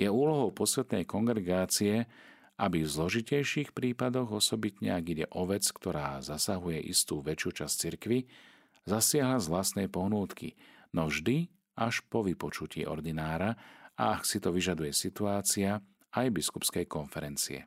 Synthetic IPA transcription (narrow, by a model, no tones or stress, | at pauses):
jɛuːlɔɦɔʊpɔsʋɛt̪nɛjkɔŋɡɾɛɡaːt͡siɛ | ʔabivzlɔʒicɛjʃixpɾiːpad̪ɔɣɔsɔbit̪ɲɛaɡiɟɛ̰ʔɔʋɛt͡skt̪ɔɾaːzasaɦujɛʔḭst̪uːʋɛt͡ʃjuːt͡ʃast͡siɾkʋi | zasɪaɦlazʋlast̪nɛjpɔɦnuːt̪kḭnɔʒd̪i | aʃpɔʋipɔt͡ʃucḭːʔɔ̰ɾd̪inaːɾaa̰ksit̪ɔʋiʒad̪ujɛsit̪uaːt͡sia | ajbiskupskɛjkɔnfɛɾɛnt͡sḭɛ̰